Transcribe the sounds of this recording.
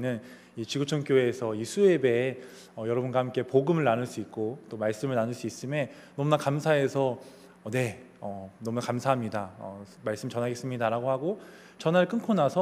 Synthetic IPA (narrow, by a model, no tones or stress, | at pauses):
nɯn | it͡ɕiɡot͡ɕʰoŋk͈joeːsʰʌisʰue̞be̞ | ʌjʌɾʌbunɡwahamk͈e̞poɡɯmɯɭnanɯɭs͈uit̚k͈ot͈omaɭs͈ɯmɯɭnanɯɭs͈uis͈ɯmjen | nʌmunakamsʰae̞sʰʌ | ʌne̞ʌnʌmunakamsʰaɦamɲidaʌ̰maɭs͈ɯmit͡ɕʌnɦaɡe̞s͈ɯmɲidaɾaɡoɦaɡo | t͡ɕʌnaɾɭk͈ɯnkʰonasʰʌ